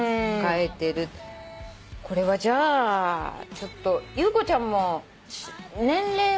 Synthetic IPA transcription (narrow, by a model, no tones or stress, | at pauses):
kae̞t̪e̞ɾɯ̟t̪ | kʰo̞ɾe̞βad͡ʑaː | t͡ɕo̞t̪ːo̞jɯːko̞t͡ɕãmːo̞ | ɕnẽ̞nɾe̞ː